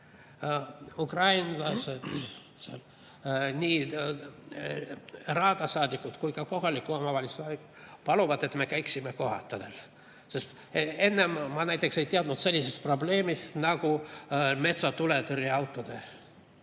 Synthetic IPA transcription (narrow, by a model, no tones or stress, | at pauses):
ukrɑjnlɑsed̪ | sl | nʲiː | rɑːd̪̥ɑsɑːd̪ikːud̪̥kujkɑko̞ɦɑlikːˑuomɑvɑlʲissɑːd̪ikːu̥pɑluvɑd̪e̞t̪me̞kæjksime̞ko̞ɦɑ̰t̪ːˑɑd̪̥el | se̞st̪ | e̞nːemmɑnæjt̪ˑːekse̞jt̪eɑd̪nut̪se̞lʲːise̞st̪̚pro̞ble̞ːmist̪nɑɡ̥ume̞t̪sɑt̪ule̞t̪yɾiɑwt̪ːˑod̪̥e